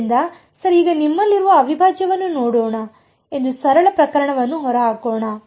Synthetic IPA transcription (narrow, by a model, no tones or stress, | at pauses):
nd̪ɐ | sɐɾiiːɡɐnimːɐlːiɾuʋɐːʋibʱaːd͡ʒjɐʋɐnːunoːɽɔːɳɐ | e̞nd̪usɐɾɐɭɐpɾɐkɐɾɐɳɐʋɐnːuɦɔɾɐɦaːkɔːɳɐ